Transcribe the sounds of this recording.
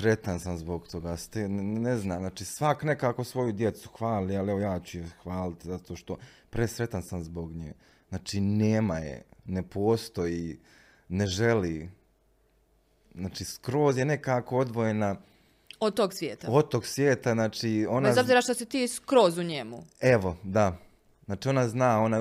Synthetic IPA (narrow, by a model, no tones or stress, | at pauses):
sɾet̪ansamzboɡt̪ʰo̞ɡaːst̪eneznaːmnaːt͡ʃiːsʋakne̞kaːko̞sʋo̞jud̪jet̪su̥xʋaːlialeʋojaːt͡ɕujexʋaːlit̪izat̪oːʃt̪opɾesɾet̪ansamzboɡɲeː | znaːt͡ʃiːneːmajḛnepoːst̪o̞ji | neʒe̞li | znaːt͡ʃiːskɾo̞ːzjene̞kaːko̞od̪ʋoje̞na | od̪̚t̪oːɡsʋjeːt̪aod̪̚t̪oɡsʋjeːt̪aznaːt͡ʃio̞neazobziɾaʃt̪osit̪iːskɾoːzuɲemueʋo̞d̪a | znaːt͡ʃiːo̞naznaːo̞na